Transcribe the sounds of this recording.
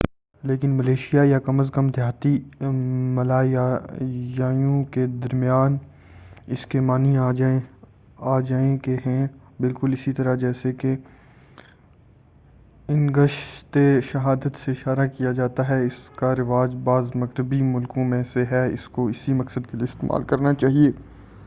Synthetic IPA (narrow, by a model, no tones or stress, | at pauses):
leːkɪnmɐleːʃijajakɐməzkəmd̪ʱjaːt̪i | mɐlaː | jaːjõked̪ɐɾmijaːn | ɪskemaːniaːd͡ʒae | aːd͡ʒaːẽkeɦɛ̃ | bɪlkʊlɪsit̪ɐɾad͡ʒɛːseke | ɪ̃nɡəʃt̪eʃɐɦaːd̪ət̪seɪʃaːɾakijad͡ʒaːt̪aɦɛɪskaɾɪʋaːd͡ʒbaːzmɐɣɾɪbimʊlkõmẽseɦɛɪ̰skoɪsimɐksəd̪keliiːɪst̪ḛːmʔa̰ːlkɐɾnat͡ʃaːɦieː